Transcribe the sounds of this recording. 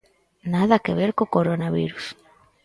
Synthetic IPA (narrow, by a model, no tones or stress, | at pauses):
naðakeβ̞eɾkokoɾonaβiɾus